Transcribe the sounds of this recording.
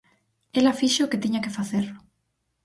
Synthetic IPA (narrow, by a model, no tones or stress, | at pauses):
elafiʃoket̪iɲakefaθeɾʊ